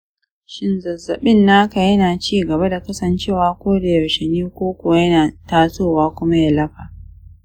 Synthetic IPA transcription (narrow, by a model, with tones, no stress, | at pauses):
ʃɪ˦nzɐ˨zːɐ˨ɓɪ˦nːaː˦ka˨jɐ˦naː˨t͡ʃiː˦ɡɐ˨βa˦da˨kɐ˦sɐ˨nt͡ʃeː˦˨waː˦kʷoː˦da˨jɐ˨ʃɛ˨niː˦kʷoː˦kʷo˨jɐ˦naː˨taː˦soː˦˨waː˦kʷʊ˦ma˦ja˦˨lɐ˦ɸaː˨